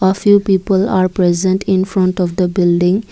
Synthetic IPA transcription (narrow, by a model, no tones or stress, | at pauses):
əfjupiːpəlaːɾpɾezə̃nʈʰĩnfɾʌ̃ɳʈɔfd̪əbɪlɖĩŋ